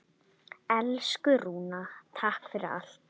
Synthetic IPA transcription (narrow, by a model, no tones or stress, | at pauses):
ɛlskʏɾuːnat̪ʰahkfɪɾɪɾa̰l̥t̪